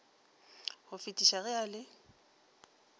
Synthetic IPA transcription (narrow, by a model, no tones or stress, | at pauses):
hʊfitʼiʃaɣɛaːlɪ